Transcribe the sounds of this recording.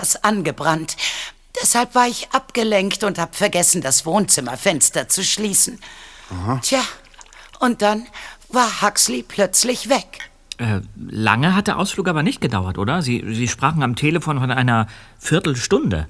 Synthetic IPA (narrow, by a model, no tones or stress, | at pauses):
asʔanɡəbʁant | d̥ɛshalpv̥aːɐɪçʔapɡ̥əlɛŋktʊnthaːbəfɛɐɡɛsn̩dasv̥oːnt͡sɪmɐfɛnstɐt͡suʃliːsn̩htʰjaː | ʔʊnt̚d̥anvaːɐhakslipʰl̥œt͡slɪçv̥ɛk | ʔɛːla̰ŋəɦat̚d̥ɛɐʔaʊsfluːkʔaːbɐnɪçt̚ɡ̥ədaʊɐtʔo̰ːdɐzḭːziːʃpʁ̥aːχn̩amtʰeːləfoːnfɔnʔaɪnɐ | fɪɐtl̩ʃtʊndə̰